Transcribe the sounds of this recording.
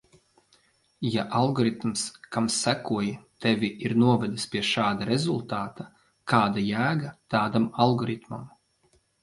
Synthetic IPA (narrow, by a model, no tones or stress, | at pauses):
jaʔalˠɡɔɾit̪mskʰamsːækuɔjt̪ɛvʲiiɾnuɔvɛd̪isʲpʲiɛʃaːd̪aɾezulˠt̪aːt̪a | kʰaːd̪ajæːɡat̪aːd̪amalˠɡɔɾit̪ma̰m